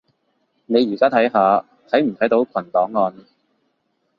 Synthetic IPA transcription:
ne˨˧jɥyː˨˩kaː˥t̪ʰɐ˨˥jɦaː˨˧ | t̪ʰɐ˨˥jm̩˨˩t̪ʰɐ˨˥jt̪o˨˥wkʷʰɐ˨˩nt̪ɔː˨˥ŋːɔː˧n

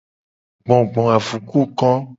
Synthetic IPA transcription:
ɡ͡bɔ̃˨ɡ͡bɔ̃˨a˨vu˨ku˦kɔ̃˦

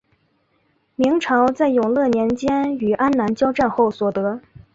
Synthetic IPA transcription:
mi˧˥ŋʈ͡ʂʰɑ˧˥ʊt͡sa˥˩ɪjʊ˨˩ŋlɤ˥˩njɛ˧˥nt͡ɕjɛ˥ny˨˩ʔa˥nna˧˥nt͡ɕjɑ˥ʊʈ͡ʂa˥˧nxo˥˩ʊswɔ˨˩t̪ɤ˧˥

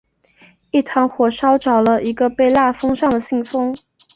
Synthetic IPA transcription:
i˥˩t̪ʰɑ˧˥ŋxwɔ˨˩ʂɑ˥ʊʈ͡ʂɑ˨˩ʊlə˦ʔi˧˥ɡə˧pe˥˧ɪla˥˩fɤ˥ŋʂɑ˥˩ŋd̪ə˩ɕi˥˩ŋfɤ˥ŋ

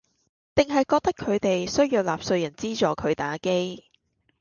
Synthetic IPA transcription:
t̪ɪ˨ŋɦɐ˨jkɔː˧k̚t̪ɐ˥kʰɵ˨˧ɥt̪e˨jsɵ˥ɥjiː˨˧wlaː˨p̚sɵ˧ɥjɐ˨˩nt͡siː˥t͡ʃɔː˨˧kʰɵ˨˧ɥt̪aː˨˧˥ke˥j

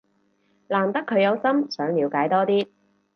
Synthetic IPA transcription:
laː˨˩mt̪ɐ˥kʰːɵ˨˧ɥjɐ˨˧wsɐ˥msœː˨˥ŋliː˨˧wkaː˨˥jt̪ɔː˥t̪iː˥

